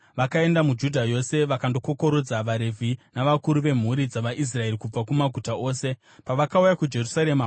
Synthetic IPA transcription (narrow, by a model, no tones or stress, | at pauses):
ʋakae̞ndamud͡ʒudʱajo̞se̞ʋakando̞ko̞ko̞ɾo̞d͡zaʋaɾe̞vʱinaʋakuɾuʋe̞m̤uɾid͡zaʋaʔis̬rae̞rikub͡vakumaɡʱutao̞ːse̞ | paʋakaujakud͡ʒe̞rusaɾe̞ma